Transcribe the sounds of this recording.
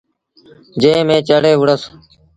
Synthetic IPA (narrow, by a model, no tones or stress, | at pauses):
d͡ʒẽːmẽːt͡ʃəɽeːʋʊɽəs